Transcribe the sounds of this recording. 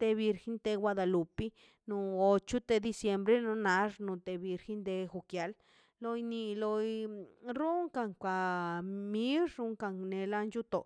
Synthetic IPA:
t̪e˧bi˧ɾxe˦nt̪e˧ɡwʷa˧d̪a˧lu˨pi˦ | nu˧o˧t͡ʃu˦t̪e˧d̪i˧sje˧mbɾe˦no˧na˧ʐnu˧t̪e˧bi˧ɾxe˦nd̪e˧xu˧kja˨˧l | lo˧jni˧lo˧jɾu˦ŋka˧ŋkʷa˧˨mi˦lɾu˧ŋka˧ŋne˧la˧nt͡ʃu˦t̪o̰˨

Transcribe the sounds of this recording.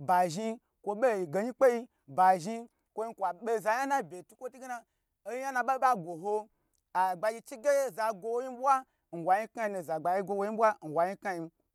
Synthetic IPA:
ba˨ʒi˧ | kʷo˧ɓe˦˨i˨ɡe˨ɲi˦k͡pe˦ji˧ | ba˨ʒi˧ | kʷo˧i˧kʷa˨ɓe˦za˨ja˦na˦bʲe˨tu˦kʷo˦tu˦ɡe˦na˧ | o˦ji˦ja˦na˧ɓa˦ɓa˦ɡʷo˨ɦo˧ | a˨ɡ͡ba˧ji˧t͡ʃi˦ɡe˦je˦za˨ɡʷo˧wo˦ji˦ɓʷa˦ | n̩˨wa˨ɲi˦kŋa˦ji˧nu˧˨za˨ɡ͡ba˨ji˧ɡʷo˧wo˧˦ji˦bʷa˦n̩˨wa˨ji˦ka˧ji˧m̩˦

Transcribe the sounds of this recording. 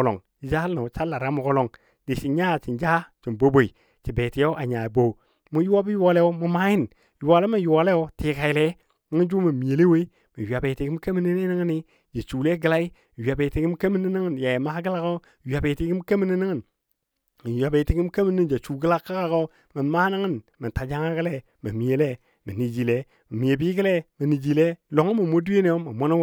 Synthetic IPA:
lo̰˨ŋ | i˨d͡ʒa˦a˨t͡ʃa˦la˨ɾa˦mo˨ko˦lo˨ŋ | di˨t͡ʃi˨ɲa˦˨t͡ʃi˨nd͡ʒa˦t͡ʃi˨mbo˦bo˨i˨ | t͡ʃi˨beː˨ti˨˦o˦ʔa˨ɲa˨bo˨ | mu˦ju˦a˦bi˦ju˦a˨˦le˦o˦mu˦ma˦ji˦n˨ | ju˨wa˨le˦ma˦˨ju˨a˨le˦jo˦ti˨ka˨jle˦ | ni˦ŋi˦d͡ʒu˦ma˨mi˨e˨le˦we˦ | mi˨ja˨be˨ti˨ɡi˦ka˦mi˦ni˦ni˦ni˦ŋ˦ni˦ | d͡ʒa˨t͡ʃu˨le˦ɡə˨la˦i˦˨ | ja˨be˨ti˦ɡi˦m˦ke˦mi˦ni˦ni˦ŋə˦nja˨jma˦ɡə˦la˦ko˦˨ | ja˨be˨ti˨˦ɡi˦m˦ke˦mi˦ni˦ni˦ŋi˦˨n | mi˨ja˨be˨ti˨ɡi˦m˦ka˦mi˦ni˦nd͡ʒa˨t͡ʃu˨ɡə˦la˦kːa˦ka˦ko˦ | mə˨ma˦na˦ŋə˦nmə˨ta˨d͡ʒa˦ŋa˦ɡə˦le˦ | mə˨mi˨e˨le˦ | mə˨ni˨d͡ʒi˨le˦ | mə˨mi˨e˨bi˦ɡə˦le˦mə˨ni˨d͡ʒi˨le˦lo˨ŋi˦mə˨mo˦du˦e˦ne˨jo˦ma˨mo˦no˦

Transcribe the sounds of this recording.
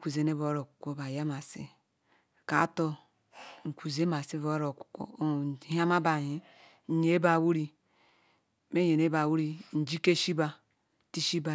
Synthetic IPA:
kʷu˨ze˨ne˦βo˨˦ɾo˨kʷu̥˨kʷo˦ba˨ja˦ma˨sḭ˦ | ka˨˦to˦ | ŋ̩˨kʷu˨ze˦ma˨si˦βo˦ɾo˨ku̥˨ko̰˦˨˦ha˦ma˦ba˨ɦi˦ | ɲe˦ba˨wu˦ɾi˦ | me˦je˨ne˦ba˨wu˦ɾi˦n̩˨d͡ʒi˦ke˦ʃi˦ba˨ | ti˦ʃi˦ba˨

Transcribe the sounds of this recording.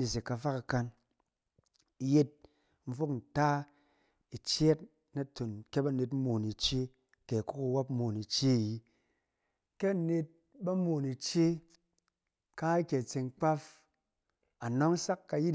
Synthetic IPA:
i˨s̬e˨ka˧fa˦ka˧ka˧n | i˧je˦t̚ | m̩˦fo˦kn̩˨ta˦ | i˨t͡ʃe˦t | na˦to˨nkʲe˦ba˦˨ne˧tmoː˨ni˨t͡ʃe˦ | ke˨ku˦ku˧wa˦pmo˨ni˨t͡ʃe˦˨ji˦ | ke˦˨ne˧t̚ | ba˦mo˨ni˨t͡ʃe˦ | ka˦i˦kʲe˨t͡se˨ŋk͡pa˦f | a˨nɔ˦ŋ˦sa˦kːa˧ji˦

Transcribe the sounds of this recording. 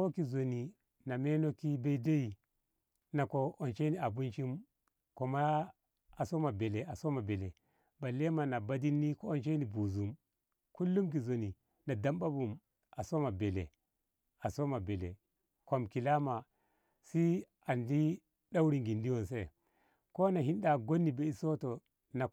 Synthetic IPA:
ko˦ki˨zo˨ni˨ | na˨me˦no˦ki˦be˦i˦de˦i˨ | na˨ko˨ʔo˨nt͡ʃe˦ni˨a˨bu˦nt͡ʃi˦m | ko˨ma˦ | a˨so˦ma˨be˨le˨a˨so˦ma˨be˨le˨ | ba˨le˦ma˨na˨ba˦di˦nːi˦ko˦o˦nt͡ʃe˦ni˨bu˨zu˨m | ku˦lːu˦mk̬i˨zo˨ni˨ | na˨da˦˨mba˦bu˨m | ʔa˨so˦ma˨be˨lḛ˨ | a˨so˦ma˨be˨lḛ˨ | ko˨mki˨la˦ma˨ | si˦ | a˨ndi˦ | ɗa˦wɾi˨ŋɡi˨ndi˦wo˦˨nse˦ | ko˦na˨ɦi˦nda˨ɡo˦nːi˨be˦i˦so˦to˨ | na˨

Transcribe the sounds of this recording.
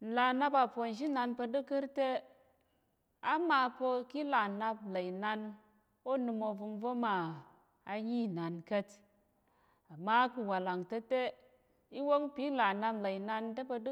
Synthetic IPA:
la˨na˦pa˨po˨nʃ̬i˦na˧npə˧dɨ˦kɨ˦ɾte˦ | a˦ma˧pə˧ki˦la˨na˧pla˨i˨na˧n | o˦nɨ˧mo˨vu˧mvo˦ma˨ | a˨ɲi˦na˨nkə˦t | a˨ma˦ku˨wa˨la˨ŋtə˦te˦ | i˦wo˦ŋpi˦la˨na˧pla˨i˨na˧ntə˦pə˧d

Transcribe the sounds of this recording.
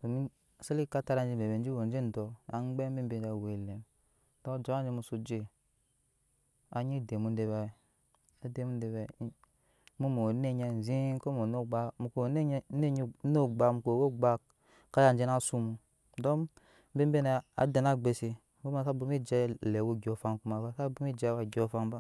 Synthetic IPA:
u˨mi˦˨ | se˦li˦ka˦ta˦ɾa˧nd͡ʒi˧˨m˨e˨be˨˦d͡ʒi˦wo˨n˦d͡ʒe˦n̩˨dɔ˨a̰˨ŋ͡mɡ͡bɛ˦m̩˦be˦m˦be˨n˨d͡ʒa˨we˨le˨m˦ | dɔ˦d͡ʒa˨˦a˦n˦d͡ʒe˧mu˧su˧d͡ʒe˦˨ | a˨ɲi˦˨de˨mu˨˦n˦de˨ba˨ | a˦de˨mu˦de˨ba˨˦ | mu˦mo˨ne˦ɲe˨n˨zi˦ko˦mo˨no˦˨ɡ͡ba˨mu˨ko˨˦ne˦ɲ˦no˦˨ɡ͡ba˨mu˨ko˨wo˦ɡ͡ba˦ | ka˦ja˨˦d͡ʒe˦na˦su˦mu˨ | dɔ˦ | m̩˦bi˦m˦be˦na˨a̰˨de˨na˦ɡ͡be˨si˨ | bo˦ma˨sa˦bu˨mi˦d͡ʒɛ˦le˨wo˦ɡʲɔ˨fa˦nku˦ma˨ba˦sa˦bu˦mi˦d͡ʒe˦wa˨ɡʲɔ˦fa˦nba˦

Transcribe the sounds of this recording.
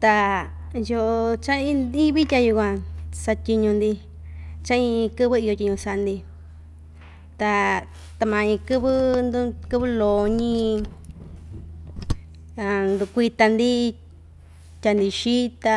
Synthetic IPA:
t̪a˧ | jo˧ʔo˧t͡ʃã˦ĩ˦nd̪i˦βi˦tʲa˧ju˧kʷã˧sa˧tʲi˧ɲũ˧nd̪i˧ | t͡ʃã˦ĩ˧kɨ˦βɨ˦i˧jo˧tʲi˧ɲũ˧sa˧ʔa˧nd̪i˧ | t̪a˧ | t̪a˧mã˧ĩ˧kɨ˦βɨ˦nd̪u˧˦kɨ˦βɨ˦loː˨ɲĩ˦˧˦ | a˨˧nd̪u˧kʷi˧t̪a˧nd̪i˦ | tʲa˧nd̪i˧ʃi˦t̪a˧

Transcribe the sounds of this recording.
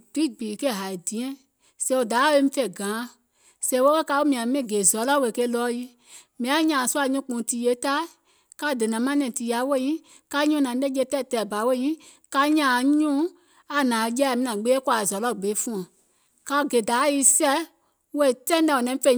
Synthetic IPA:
b̥i˦˨ɡ͡biː˨ke˦˨ɦa˨i˨dĩ˨˦ɛ̃˦ | sɛ̃˧˦o˨da˨˦e˧˦mĩ˦fe˨ɡãː˨˦ | sɛ̃˧˨˦wo˦ke˦ka˧˦wo˦mĩ˧˨ã˨mɛ̃˦˨ɡe˨zɔ˨˦lɔ˦we˨ke˧˦lɔː˧˦ji˦ | mĩ˧˨ã˨˦ɲãː˨su˦a˧ɲũ˦k͡pũ˨˦ti˧˨je˧˦ta˦ | ka˧˦˨de˨nã˨˦mã˦nɛ̃˧˨ti˧ja˨˦we˦˨ɲĩ˦ | ka˧˦ɲũ˦nã˨˦le˦d͡ʒe˧˦tɛ˦˨tɛ˨ba˨˦wo˦ĩ˦ | ka˧ɲãː˨ɲũ˦ | a˨nãː˨˧˦jɛ˧˦˨mĩ˦nã˨ɡ͡beː˦kwa˨zɔ˨˦lɔ˦˨ɡ͡be˨˦fũ˧˦ã˨ | ka˧˨ɡe˨da˨˦ji˧˦sɛ˦ | we˦˨tɛ̃˦dɛ˧˨o˨nɛ̃˧˦fe˧˨

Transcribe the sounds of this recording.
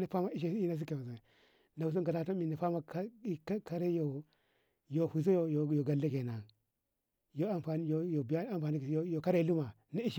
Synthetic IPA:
na˨fa˦ma˦i˦ʃ̬i˨si˦na˦s̬i˦ke˨u˨a˨ | na˨u˨su˦ɡa˨da˨to˦mi˨na˨fa˦ma˦ka˦ka˦ɾe˦jo˨ | jo˨hu˨zo˦jo˨jo˨jo˨ɡa˨le˦ɡe˨na˨ | jo˦a˦˨mfa˨ni˦jo˨jo˨bja˦mfa˨ni˦˨˦jo˨ka˦ɾe˦lu˦ma˨ | na˦i˦ʃ

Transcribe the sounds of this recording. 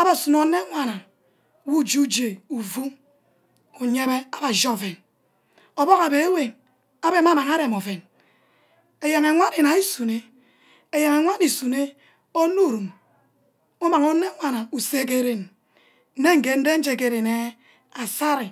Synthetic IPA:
a˦ba˨su˨no˨˦ne˦ŋʷa˨na˨ | wu˦˨d͡ʒi˦u˦d͡ʒe˨u˨vu˦ | u˨ɲe˦me˦a˦ba˨d͡ʒo˦˨ve˨n | o˨bɔ˦ka˨be˨e˦we˨n | a˦be˦ma˦ma˨ŋa˦ɾe˨mo˨ve˨n | e˨ja˨ŋe˨ŋʷa˦ni˨na˨i˦su˨ne˦ | e˨ja˨ŋe˨ŋʷa˦ni˨su˨ne˦ | o˦nu˦˨ɾu˨m | o˦ma˨ŋo˦ne˦ŋʷa˨na˨u˨se˦k̬e˨ɾe˨n | n̩˦e˦ŋ̩˨ɡe˨n̩˦de˦n̩˦d͡ʒe˨ke˨ɾe˨ne˦ | a˨sa˦ɾi˨

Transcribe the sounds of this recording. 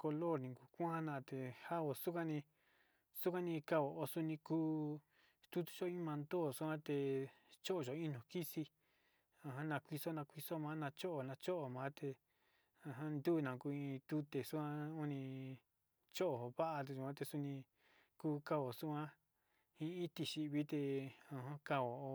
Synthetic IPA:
ko˧lo˦˨ɾnĩ˨ku˧kʷã˦nã˧t̪e˨ha˦o˧su˦ka˦nĩ˧ | su˦kʷã˦nĩ˧ka˧o˨o˧su˧nĩ˧kuː˦ | st̪u˦t̪u̥˧t͡ʃo˦ĩ˦mã˧nd̪o˦˨su˦ã˦t̪e˧ | t͡ʃo˦ʔo˧˨ʒo˧ĩ˦nõ˨ki˦si˧ | ã˧ɦã˦nã˧kʷi˧so˦nã˧kʷi˧so˦mãː˧˦nã˧t͡ʃo˦ʔo˨nã˧t͡ʃo˦ʔo˨mãː˨˦t̪e˧ | ã˧ɦã˦nd̪u˦˧nã˨˧ku˧ĩ˧t̪u˧t̪e˨su˦kʷã˦u˦nĩ˧ | t͡ʃo˦ʔo˨βa˦ʔa˧t̪e˧ʃu˧ã˦t̪e˧su˧nĩ˧ | kuː˧ka˦o˨su˦ã˦ | ĩ˧ĩ˦t̪i˧ʃi˧βi˦t̪e˧ã˧ɦã˦ka˧o˨o˧

